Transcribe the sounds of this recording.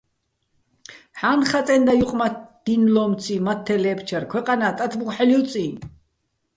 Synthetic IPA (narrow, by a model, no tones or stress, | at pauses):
ħanχat͡s̪ʼɛnd̪ajuqʼmatd̪̥inlɔːmt͡sʰimat̪ʰːɛlɛːpʰt͡ʃʰɛrkʰwɛqʼanaːt̪ʼat̪ʰbqʷʼħɛliut͡sʼi